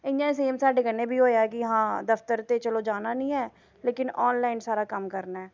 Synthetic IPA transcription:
ɪ̃nd͡ʒãːs̬eːmsaːɖeːɡəneːbʱiːɦoːjaːɛkiɦãːd̪əft̪əɾt̪et͡ʃəloːd͡ʒaːnanĩːɛː | leːkɪnɔːnlaːɪnsaːɾaːkəmkəɾnaɛː

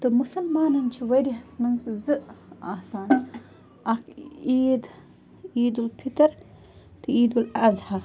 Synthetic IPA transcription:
t̪omusɐlmaːnɐnt͡ʃʰiwɐɾiɦɐsmɐnzzɨʔaːsaːn | ɐkiːd̪ | iːd̪ulpʰit̪ɐɾ | t̪ʰɨiːd̪ulɐzhɐ

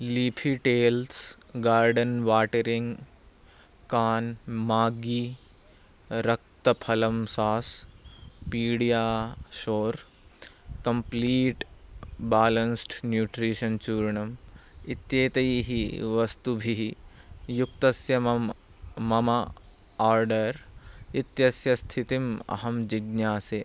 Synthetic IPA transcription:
liːpʰiʈeːls | ɡaːɾɖɐnʋaːʈɐɾiŋɡ | kaːnmaːɡi | ɾɐk̚t̪ɐpʰɐlɐmsaːs | piːɽijaːʃoːɾ | kɐmpliːʈbaːlɐnsʈnjuːʈɾiːʃɐnt͡ʃuːɾɐɳɐmit̪jeːt̪ɐjiɦiʋɐst̪ubʱiɦijuk̚t̪ɐsjɐmɐmː | ɐmɐ | aːɾɖɐɾit̪jɐsjɐst̪ʰit̪imɐ̰ɦɐmd͡ʒiɡnjaːse

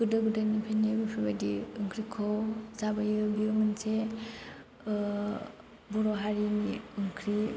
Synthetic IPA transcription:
ɡ̥ɯdɯɡɯdanipʰanebipʰibadiɯŋkʰɾikʰɔzabajɯbiumɯnse | buɾɔɦaɾiniɯŋkʰɾi

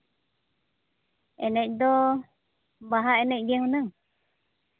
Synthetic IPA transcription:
ɛnɛc̚ˀd̪ɔ | baɦaʔɛnɛc̚d͡ʒɛhunaŋ

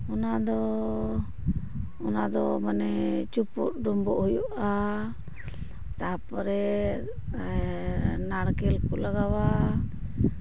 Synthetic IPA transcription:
ɔnad̪ɔ | ɔnad̪ɔbanɛt͡ʃupṵt̚ɖɔmbɔʔhujuʔa | t̪apɔɾɛ | naɽkɛlkulaɡawa

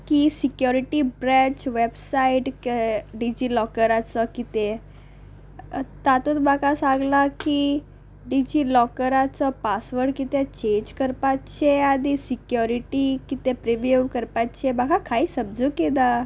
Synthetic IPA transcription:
kisikjɔɾiʈibɾɛ̃t͡ɕʋebsaiʈkɖid͡ʑiːlɔkəɾat͡sɔkit̪e | t̪at̪ut̪makasãŋɡlaki | ɖid͡ʑiːlɔkəɾat͡sɔpasʋəɾɖkit̪et͡ɕẽɲd͡ʑkəɾpat͡ɕeanisikjɔɾiʈikit̪epɾeʋjuʋkəɾpatt͡ɕemakʰakaɦiːsəmd͡zukeda

